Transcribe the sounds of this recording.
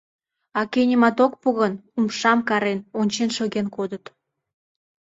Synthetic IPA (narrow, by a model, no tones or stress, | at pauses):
ɑkenʲəmɑt̪ok̚puɣənumʃɑmkɑɾenonʲt͡ɕenʃøɣenkod̪ət̪